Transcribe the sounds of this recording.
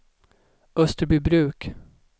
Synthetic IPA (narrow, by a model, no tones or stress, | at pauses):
ɵst̪əɾbybɾʉ̟ːk